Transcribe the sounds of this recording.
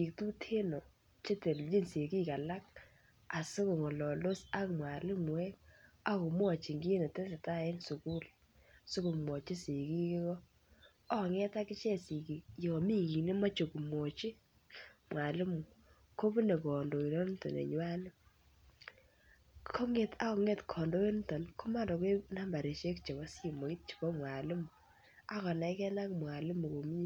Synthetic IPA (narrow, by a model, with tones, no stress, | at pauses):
i˨k̚tu˦tʰe˦no˨ | t͡ʃe˦te˨ld͡ʒi˦nse˨ki˦ka˨la˦k̚ | a˨so˦ko˨ŋɔ˨lɔ˨lo˦sa˦kmwa˨lɪ˦mu˨e˦ka˦ku˨mwɔ˦˨t͡ʃi˨ŋɡi˦ne˨tɛ˦se˨ta˦˨ɛ˦nsu˨ku˦l | so˦ko˨mwɔ˨t͡ʃi˦si˨ki˦kɪ˦kɔ˦ | ɔ˦˨ŋɛ˦ta˦kɪ˦t͡ʃɛ˦si˨ki˨jo˨ɔ˨mi˦ki˨ne˦ma˦t͡ʃo˨ku˨mo˨t͡ʃi˦ | mwa˨lɪ˦mu˨ | ko˦bu˦ne˨kɔ˨ndo˨i˨no˦n˦tɔ̰˨nḛ˨ɲwa˦nɪ˦ | kʰɔ˦ŋe˨ta˦kɔ˨ŋe˦tkʰɔ˨ndo˦e˦n˦tɔ˨nkʊ˦ma˦ndɔ˨ke˦na˦mba˨ɾe˨ʃe˦kt͡ʃe˨bɔ˨˦si˦˨mo˨ki˦t̚t͡ʃi̥˨bɔ˦mwa˨lɪ˦mu˨ | a˦kɔ˨na˨ɪ˦kɛ˦na˦kmwa˨lɪ˦mu˨ko˨mi˦